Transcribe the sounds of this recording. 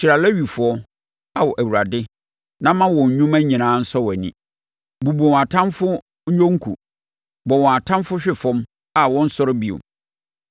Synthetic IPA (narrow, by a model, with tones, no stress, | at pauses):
t͡ɕʰi˨ɾa˨lɛ˦ɥi˨fʊ˨˦ɔ˦ | a˨wɔ˨ʔæ˨wu˨ɾa˨dɪ˦ | nã˦mã˦wɔ̃˨ɲ˨ɲũ˦mæ̃˦ɲĩ˨nãː˨˦n̩˦sɔ˦wɛ˨nḭ̃˨ | bu˨bu˨ɔ̃˨a˨tʰã˦mfʊ˦ | ɲᶣõ˦ŋ̩˦kʰṵ˨ | bɔ˨wɔ̃˨a˨tʰã˦mfʊ˦ɕᶣɪ˦fɔ̃˦m | a˦wɔ̃˦n̩˦sɔ˦ɾɪ˦bi˨ʊ̰˨